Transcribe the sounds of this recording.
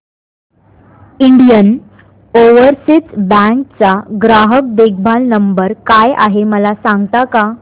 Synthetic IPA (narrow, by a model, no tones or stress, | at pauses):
iɳɖijən | oʋəɾsit͡sbɛ̃ŋk̚t͡saɡɾaɦək̚d̪ek̚ʰbʱalnəmbəɾkaja̰ɦeməlasãŋɡt̪aka